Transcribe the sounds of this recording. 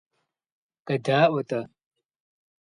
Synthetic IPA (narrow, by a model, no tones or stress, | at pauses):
kʼɐdaːʔʷɐtʼɐ